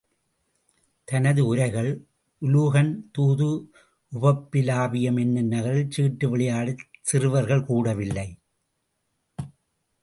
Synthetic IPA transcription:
t̪ɐnɐðɯʊɾɐɪɣɐɭ | ʔʊluɣɐnt̪uːðɯ | ʔʊbɐpːɪlaːbɪjɐmɛnːɯnɐɣɐɾɪlt͡ʃiːʈːɯʋɪɭɪjaːɽɯsɪrɯʋɐɾɣɐɭkuːɽɐʋɪlːɐɪ

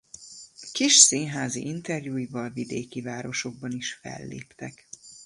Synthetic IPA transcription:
kiʃsiːnɦaːzḭʔint̪ɛrjuːjivɒlvid̪eːkivaːɾo̞ʃo̞ɡ̚bɒniʃfɛ̰lːḛːpt̪ɛk

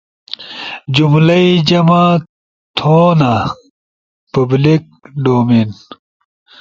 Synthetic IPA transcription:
d͡ʑumlɐid͡ʑɐma | t̪ʰoːna | pɐblik̚ɖoːmin

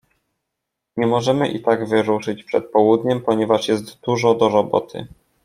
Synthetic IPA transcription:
ɲɛmɔʐɛmɘ̰ʔḭt̪aɡvɘɾuʂɘt͡ɕpʂɛt̪̚pɔwud̪ɲɛmpɔɲɛvaʂjɛst̪d̪uʐɔd̪ɔɾɔbɔ̰t̪ʰɘ̰

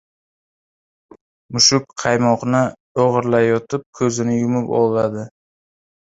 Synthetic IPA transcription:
mʊʃʊkqʰɑjmɒqnɪ | oʁɨɾlajɒt̪ʰɪp̚kʰɵzɪnɪjʊmɪpɒ̰lˠad̪ɪ

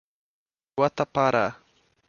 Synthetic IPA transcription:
wat̪apaɾa̰ː

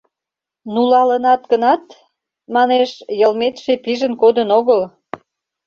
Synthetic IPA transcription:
nulɑlənɑt̪ɡənɑt̪ | mɑneʃjəlmet̪ʃepiʒənkod̪ənoɣəl

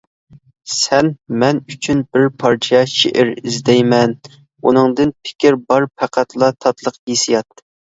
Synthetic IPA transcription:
sɛnmɛnyt͡ʃʰynbɪɾpʰɑɾt͡ʃʰɛʃḛʔɪɾizd̪ɛjmɛn | unɨŋd̪ɨnpʰɪ̥kʲiɾbɑɾpʰæqʰæt̪lˠɑt̪ʰɑt̪lˠəqjesijɑt̪ː

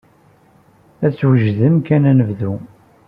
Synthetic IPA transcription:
æt͡sːwəʒðəmkænænəvðu

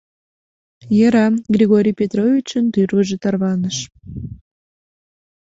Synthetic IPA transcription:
jəɾɑɡrʲiɣoɾʲijpʲet̪rovʲit͡ɕənt̪yrβəʒet̪ɑrβɑnəʃ

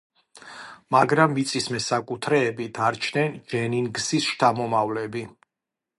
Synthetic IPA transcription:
maɡɾamːit̪sʼismɛsakʼut̪ʰɾɛːbit̪ʰaɾt͡ʃʰnɛnd͡ʒɛninɡzisʃt̪ʰamɔmavlɛbi

